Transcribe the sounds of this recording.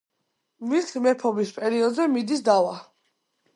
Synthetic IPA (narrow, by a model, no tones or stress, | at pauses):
viɾt̪ʰmɛpʰɔbispʼɛɾiɔd̪zɛmid̪isd̪awa